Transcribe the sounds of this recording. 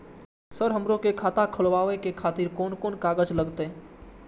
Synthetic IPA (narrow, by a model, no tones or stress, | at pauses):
səɾɦəmɾõkekʰaːt̪akʰəlwaːʋekekʰaːt̪iɾkɔːnkoːnkaːɡəd͡ʒləɡt̪ɛ